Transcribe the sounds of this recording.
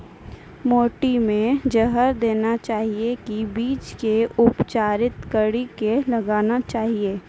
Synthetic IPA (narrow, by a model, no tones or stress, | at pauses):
moːʈimẽd͡ʒəɦəɾd̪eːnat͡ʃaːɦiekibiːt͡ʃkeʊpt͡ʃaːɾɪt̪kəɽikelɐɡaːnat͡ʃaːɦieː